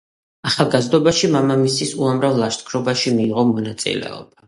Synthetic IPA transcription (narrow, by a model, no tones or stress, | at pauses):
aχalˠɡazd̪ɔbaʃimamamisisuamɾavlˠaʃt̪kʰɾɔbaʃimiːʁɔmɔnat̪sʼḭlɛ̰ɔ̰b̥a